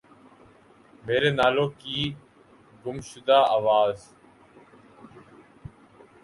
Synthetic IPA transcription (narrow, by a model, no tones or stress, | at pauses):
meːɾeːnaːloːkiː | ɡʊmʃʊd̪aːaːʋaːz